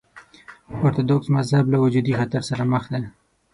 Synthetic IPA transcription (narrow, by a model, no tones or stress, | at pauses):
oɾt̪od̪oksmazhablawad͡ʒud̪ixat̪aɾsaɾaməxd̪e